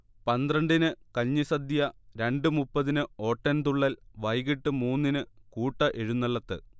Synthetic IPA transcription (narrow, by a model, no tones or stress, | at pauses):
pɐnd̪rɐɳɖinɨkɐːisɐd̪ijɐɾe̞ɳɖɨmupːɐðinɨo̞ːʈːɐnt̪uɭːɐlʋɐjɣiʈːɨmuːnːinɨkuːʈːɐʔe̞ɻunːɐɭːɐt̪ːɨ̰